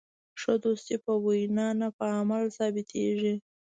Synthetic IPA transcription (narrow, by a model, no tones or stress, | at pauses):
ʂəd̪ost̪ipəwujnɑnapəamalsɑbɪt̪ʰḛʐi